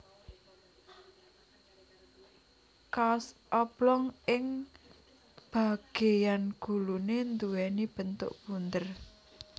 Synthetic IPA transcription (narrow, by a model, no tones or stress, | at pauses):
kas | ɔb̥lɔŋɪŋ | b̥a̤ɡ̥ejanɡ̥ṳlunend̪uwɛnib̥ə̤nt̪ʊ̰ʔpund̪ər